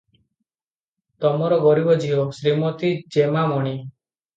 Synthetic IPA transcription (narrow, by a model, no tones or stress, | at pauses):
t̪ɔmɔɾɔɡɔɾibɔd͡ʒiɔsɾimɔt̪id͡ʒemamɔɽ̃i